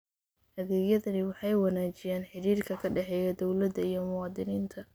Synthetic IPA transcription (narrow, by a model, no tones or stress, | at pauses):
hɐðɛːɡjɐðɐnɪwɑħɑjwɑnaːt͡ʃɪjaːnħɪɾiːrkʰɐkʰɐɖɛħɛːjɐd̪ɔwlɐd̪ɐijɞmʊwɑːd̪ɪniːnt̪ʰɐ